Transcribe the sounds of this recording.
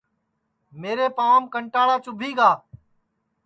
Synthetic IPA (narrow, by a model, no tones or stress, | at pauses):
meːɾeːpaːmkəɳʈaːɽaːt͡ʃʊbʱiːɡaː